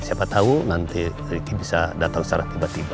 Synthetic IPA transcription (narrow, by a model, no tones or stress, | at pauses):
siapat̪aunant̪i | ikibisadat̪aŋsaɾaht̪ibat̪iba